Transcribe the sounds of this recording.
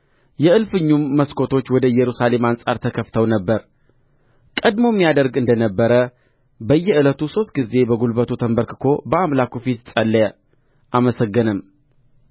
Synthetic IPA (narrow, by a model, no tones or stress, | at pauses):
jɛɨlfɨɲːumːəskʰo̞t̪ʰo̞t͡ʃːwɔd̪əjɛɾusale̞mansʼa̰ɾt̪ʰəkʰəft̪ʰəwnəbːəɾ | kʼəd̪mo̞mːijad̪əɾɡɨnd̪ənəbːəɾə | bəjːɛɨlət̪uso̞st̪̚ɡize̞bəɡulbət̪ut̪ʰəmbəɾkɨkʰo̞bəamlakufit̪sʼəlːə | ʔaməsəɡːɨnɨm